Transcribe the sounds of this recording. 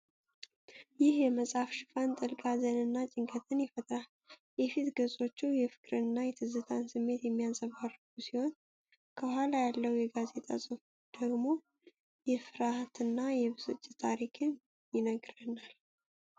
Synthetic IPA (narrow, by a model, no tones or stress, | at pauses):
jɪhjɛməsʼafʃɨfant̪ʼɨlɡʼazənɨnːat͡ʃʼɪŋkʰət̪ʰɨnjɛfət̪ʰʼɾa | jɛfit̪ɡəzʼo̞t͡ʃːujɛfɨ̥kʼɾɨnːajɛt̪ʰɨzɨt̪ʰansɨmːe̞t̪jɛmːijasʼəβarːɨɡusiho̞n | kʰəhalajalːəwjɛɡaze̞t̪ʼa̰sʼɨfud̪̥əɡmo̞ | jɛfɨɾaht̪ɨnːajɛβɨsʼɨ̰t͡ʃʼːɪt̪ʰaɾikʰɨn | jɪnəɡɾənal